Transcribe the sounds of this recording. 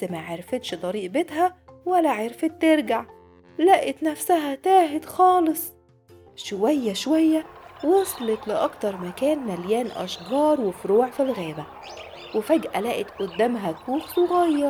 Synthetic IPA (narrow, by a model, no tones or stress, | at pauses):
mæʕeɾfet̪ʃd̪ˤɑɾiːʔbet̪ɦæwælːæʕeɾfet̪ːeɾɡaʕ | læːʔet̪næfsæɦæt̪æːɦed̪xɑːlɨsˤ | ʃowæjːæʃowæjːæwɑsˤlet̪lɪʔɑkt̪ɑɾˤmækæːnmæljæːnʔɑ̰ʃɡɑːɾˤwefɾuːʕfilɣæːbæ | wɪfæɡʔælæːʔet̪ʔʊd̪ːæːmɦækuːxweɣɑjːɑɾˤ